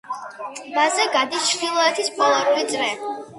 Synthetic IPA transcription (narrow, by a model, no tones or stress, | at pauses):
bazɛɡad̪it͡ʃʰɾd̪ilˠɔɛt̪ʰispʰɔlˠaɾkʰwit̪sʼɾɛ